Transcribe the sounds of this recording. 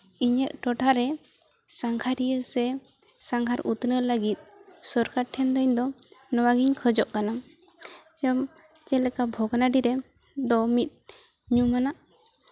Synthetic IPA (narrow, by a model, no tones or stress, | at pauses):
iɲəʔ̚ʈɔʈʰaɾɛ | saŋkʰaɾijəsɛ | saŋɡʰʱaɾut̪nələɡit̪̚sɔɾkaʈʰɛnd̪ɔɲd̪ɔnɔwaɡiɲkʰəd͡ʒɔʔkana | d͡ʒəm | t͡ʃɛlɛkabʱɔɡnaɖiɾɛ | d̪ɔmit̪̚ˀ | ɲumanaʔ